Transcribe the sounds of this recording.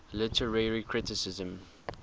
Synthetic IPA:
lɪtʰəɹɛɹikʰɹɪtɪsɪzə̃m

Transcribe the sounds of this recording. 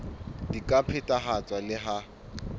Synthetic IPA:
dikʼapʰɪtʼaɦat͡sʼwalɪɦa

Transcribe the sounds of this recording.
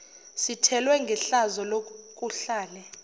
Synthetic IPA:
sitʰɛlwɛŋɡʱɛɬazɔlokʼuɬaːlɛ

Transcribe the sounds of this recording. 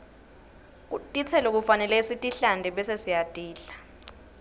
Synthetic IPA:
k̬ʼutʼit͡sʰɛlok̬ufanɛlɛisitʼiɬandʱɛɓɛsesijatʼiːɬḁ

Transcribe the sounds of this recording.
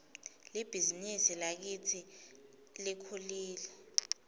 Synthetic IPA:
lib̥ʱizinisilak̬itʰi | likʰuliːlɛ

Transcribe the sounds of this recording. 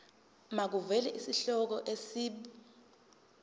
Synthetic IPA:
mak̬uvɛlɛʔisiɬɔk̬ɔʔesiːɓi

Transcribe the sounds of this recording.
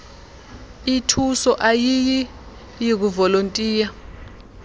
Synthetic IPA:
itʰusɔʔajiji | jik̬uvɔlontʼiːja

